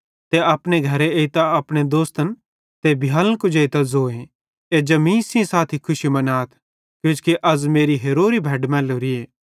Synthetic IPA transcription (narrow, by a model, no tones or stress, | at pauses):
t̪eɐpɽeɡʱɐɾeeːit̪aɐpɽ̃ed̪oːst̪ən | t̪ebʱjaːlə̃kʊd͡ʒeit̪azoːẽ | ed͡ʒɐmĩːsĩsaːt̪ʰikʰʊʃimɐnaːt̪ʰ | kjod͡ʒkiʔɐzmeːɾiɦeːɾoːɾibʱɛːɖmɛ̃ːloːɾieː